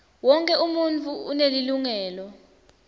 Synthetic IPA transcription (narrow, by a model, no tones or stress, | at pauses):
wɔŋkʼɛumunt͡fʰʼuːneliluŋɛːlɔ